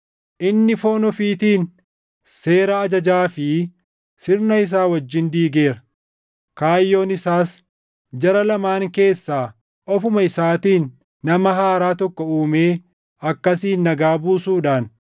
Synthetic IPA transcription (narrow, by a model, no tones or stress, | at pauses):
ʔɪnːɪfo̞ːnɔfiːt̪iːn | se̞ːɾɐːd͡ʒɐd͡ʒaːfɪ | sɪɾnɐɪs̬aːwɐd͡ʒːɪnd̪iːɡe̞ːɾɐ̥ | kaːjːo̞ːnɪsaːs | d͡ʒɐɾɐlɐmaːŋke̞ːsːaː | ɔfʊmɐɪsaːt̪iːnː | ɐmɐɦaːɾaːt̪ɔkːɔuːme̞ː | ɐkːɐsiːnːɐɡaːbuːsuːᶑaːn